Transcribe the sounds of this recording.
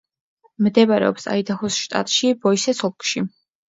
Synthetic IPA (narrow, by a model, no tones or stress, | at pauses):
md̪ɛvaɾɛ̰ɔ̰psa̰id̪aχɔsʃt̪ʼa̰t̪ʼʃibɔjsɛsɔp̚kʼʃi